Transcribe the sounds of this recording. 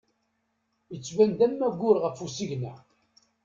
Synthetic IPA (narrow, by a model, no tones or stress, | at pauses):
jət͡sːvænd̪ænːæɡʷʊɾʁəfusiʝnæ